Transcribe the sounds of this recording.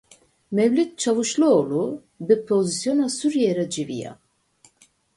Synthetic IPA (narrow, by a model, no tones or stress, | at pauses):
mɛvlit̪̚t͡ʃʰavɯʃlˠuolˠu | bipʰozisjonasuɾjɛɾɛd͡ʒivḭja̰